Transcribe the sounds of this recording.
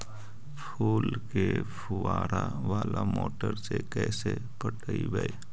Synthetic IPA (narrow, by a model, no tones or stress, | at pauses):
pʰuːlkepʰʊaːɾaʋaːlamoːʈəɾsekɛːse | pəʈʰəibəj